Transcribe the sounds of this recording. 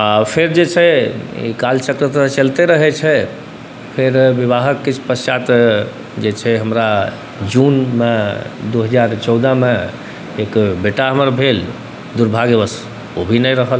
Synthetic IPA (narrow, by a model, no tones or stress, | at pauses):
apʰeɾd͡ʒet͡ʃʰɛḭkalt͡ʃəkɾət̪ɾət͡ʃəlt̪eɾəɦɛt͡ʃʰɛ | pʰeɾʋiβaɦəkːit͡ʃʰpəst͡ʃat̪ | d͡ʒet͡ʃʰɛɦəmɾa | d͡ʒunmed̪uɦəd͡ʒaɾt͡ʃɔwd̪əme | ekbeʈaɦəməɾbʱel | d̪uɾbʱaɡebəs | obʱinɛɾəɦəl